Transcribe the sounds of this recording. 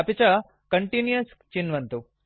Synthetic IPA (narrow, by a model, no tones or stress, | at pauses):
ɐpit͡ʃɐ | kɐɳʈinjɐs | t͡ʃinʋɐnt̪u